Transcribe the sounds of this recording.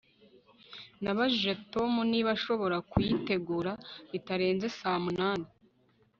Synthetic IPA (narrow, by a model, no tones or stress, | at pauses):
naβaʒiʒe̞to̞muniβaʃo̞βo̞ɾakwite̞ɡuːɾaβitaɾe̞ːnze̞saːmunaːni